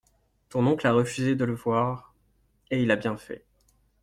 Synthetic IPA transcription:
t̪ɔ̃nɔ̃klaʁəfyzed̪ələvwaʁ | eilabjɛ̃fɛ̰

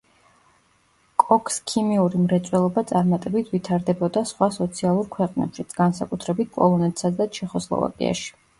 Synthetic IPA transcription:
kʼɔkʰskʰimiuɾimɾɛt̪sʼwɛlˠɔbat̪sʼaɾmat̪ʼɛbit̪ʰvit̪ʰaɾd̪ɛbɔd̪asχwasɔt̪sʰialˠuɾkʰwɛqʼnɛ̰pʃit̪sʰɡ̥ansakʼut̪ʰɾɛbit̪̚ʰkʼɔlˠɔnɛt̪ʰʼsad̪at͡ʃʰɛχɔslˠɔ̰va̰kʼḭa̰ʃi̥

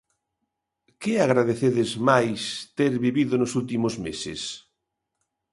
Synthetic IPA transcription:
kɪaɣɾaðeθeðezmajst̪eɾβiβiðonʊsult̪imozmesɪ̰s

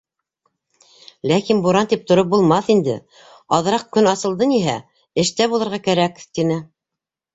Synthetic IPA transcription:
lækinbuɾɑnt̪ip̚t̪ŏɾop̚bulˠmɑθind̪ɘ̰ | ɑðɤ̆ɾɑq̚kɵnɑsɤ̆lˠd̪ɤniɦæ | ɘ̆ʃt̪æβulˠɤ̆ɾʁɑkæɾækt̪inɘ

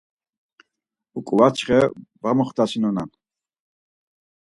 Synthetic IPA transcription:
ukʼuvat͡ʃχɛvamɔχt̪asinɔnan

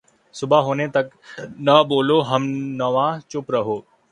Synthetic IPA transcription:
sʊbaɦoːnet̪ɐk | nɐboːloɦɐmnɐʋãt͡ʃʊpɾɐɦoː

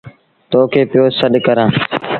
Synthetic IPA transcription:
t̪oːkʰeːpɪjoːsəɗkəɾãː

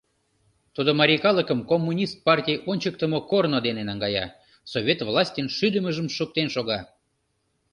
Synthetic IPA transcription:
t̪ud̪omɑɾʲikɑlˠəkəmkomːunʲist̪̚pɑrtʲijonʲt͡ɕək̚t̪əmokornod̪enenɑŋɡɑjɑ̰ | soβʲet̪vlˠɑsʲtʲenʃyd̪əməʒəmʃuk̚t̪enʃoɣɑ

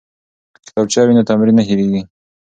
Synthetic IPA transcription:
klɑb̚t͡ʃɑwinat̪amɾinːaɦiɾeɡi

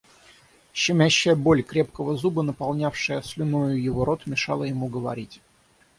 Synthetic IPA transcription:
ɕːɪmʲæɕːɪjəbo̞lʲkɾʲe̞p̚kəvəzubənəpɑlˠnʲafʂəjəslʲɪnojʊjɪvoɾo̞t̪mʲɪʂɑ̰lˠəjɪmuɡəvɐ̰ɾʲitʲ

